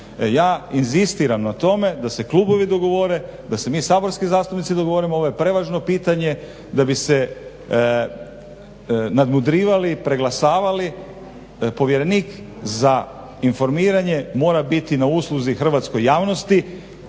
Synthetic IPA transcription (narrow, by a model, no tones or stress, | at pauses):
jaːinzist̪iːɾamnat̪o̞me̞d̪ase̞klˠuːbo̞ʋid̪o̞ɡo̞ʋo̞ɾe̞d̪ase̞miːsaːbo̞ɾskizaːst̪upnit̪sid̪o̞ɡo̞ʋoɾimooʋoje̞pɾe̞ʋaʒno̞piːt̪aɲe̞ | d̪abise̞ | nad̪mud̪ɾiːʋalipɾe̞ɡlasaːʋali | po̞ʋjeɾe̞niːk | za | info̞ɾmiːɾaɲe̞mo̞ːɾabit̪inauːslˠuzixr̩ʋat̪sko̞jːaːʋno̞st̪i